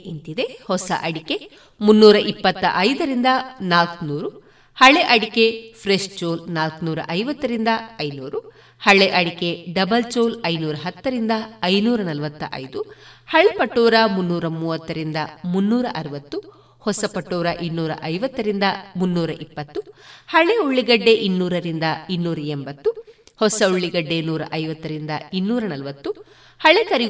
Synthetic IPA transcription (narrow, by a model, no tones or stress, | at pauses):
ent̪id̪e̞hɔsɐ̰ʔɐɽike̞ | munːuːɾɐʔipːɐt̪ːɐ̰ʔɐjd̪ɐɾind̪ɐnaːlknuːɾu | hɐɭeʔɐɽike̞pʰɾeʂt͡ʃoːlnaːlknuːɾɐ̰ʔɐjʋɐt̪ːɐɾind̪ɐɐjnuːɾu | hɐɭːeʔɐɽike̞ɖɐbɐlt͡ʃoːlɐjnuːɾɐɦɐt̪ːɐɾind̪ɐɐjnuːɾɐnɐlɐʋɐt̪ːɐ̰ʔɐ̰jd̪uhɐɭepɐʈːoːɾɐmunːuːɾɐmuːʋɐt̪ːɐɾind̪ɐmunːuːɾɐʔɐɾɐʋɐt̪ːu | hɔsɐpɐʈːoːɾɐʔinːuːɾɐ̰ʔɐjʋɐt̪ːɐɾind̪ɐmunːuːɾɐʔipːɐt̪ːuhɐɭeuɭːiɡɐɖːe̞ʔinːuːɾɐɾind̪ɐinːuːɾɐembɐt̪ːu | hɔsɐuɭːiɡɐɖːe̞nuːɾɐ̰ʔɐjʋɐt̪ːɐɾind̪ɐinːuːɾɐnɐlɐʋɐt̪ːu | hɐɭekɐɾi